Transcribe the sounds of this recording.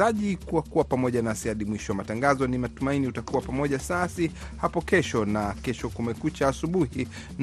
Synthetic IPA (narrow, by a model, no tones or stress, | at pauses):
aʄikuwakuwapamɔʄanasiaɗimwiʃɔwamataŋɡazɔnimatumainiutakuwapamɔʄasasi | hapɔkɛʃɔnakɛʃɔkumɛkut͡ʃaːsuɓuhi | n